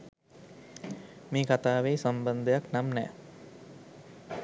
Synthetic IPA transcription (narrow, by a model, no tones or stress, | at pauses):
meːkat̪aːʋeːsamband̪əjaknamnɛ̰ː